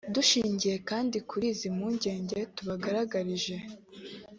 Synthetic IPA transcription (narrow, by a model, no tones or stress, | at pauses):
duʃiːɲɟije̞kaːndikuɾiːzimuːɲɟe̞ːɲɟe̞tuβaɡaɾaɡaɾiʒe̞